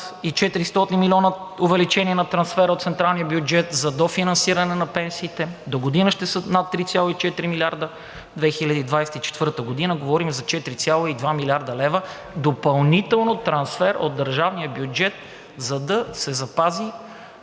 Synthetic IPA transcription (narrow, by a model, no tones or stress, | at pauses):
it͡ʃɛt̪iɾist̪ɔt̪inmilʲɔnəʊvɛlit͡ʃɛniɛnɐt̪ɾɐnsfɛɾəot̪t̪sɛnt̪ɾalˠnijəbjud͡ʒɛt̪zɐd̪ofinɐnsiɾɐnɛnɐpɛnsiːt̪ɛd̪oɡod̪inəʃt̪ɛsənat̪ːɾit̪sʲjalˠit͡ʃɛt̪ɾimilʲiaɾd̪ə | d̪vɛxilʲəɐd̪iːd̪vajsɛt̪it͡ʃɛ̥t̪vɤɾt̪əɡod̪inəɡovɔɾimzɐt͡ʃɛt̪iɾit̪sʲjalˠoid̪vamilʲaɾd̪əlɛvə | d̪opɐlˠnit̪ɛlˠnot̪ɾɐnsfɛɾo̰d̪ːɐɾʒavniəbjud͡ʒɛt̪̚ | zɐd̪ɐsɛzɐpazi